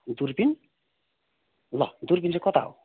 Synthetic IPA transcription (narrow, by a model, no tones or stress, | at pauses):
d̪uɾpin | lɔ̰d̪uɾbind͡zekɔt̪a̰w